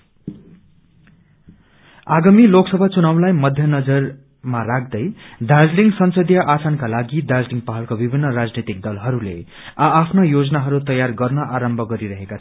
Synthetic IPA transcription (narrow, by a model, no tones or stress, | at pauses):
aɡamiloksʌbʱat͡sunaw̃lajmʌd̪ʱjʌnʌd͡zʌr | marak̚ʰd̪ʌjd̪ad͡zliŋɡsʌnsʌd̪jʌʔasankalaɡid̪ad͡zliŋɡpaɦʌlkobibʱinːʌrad͡znit̪ik̚d̪ʌlɦʌɾulḛ | aːpʰnojod͡zʌnaɦʌɾut̪ʌjarɡʌrnʌʔaɾʌmbʱʌɡʌɾiɾʌɦekat͡sʰ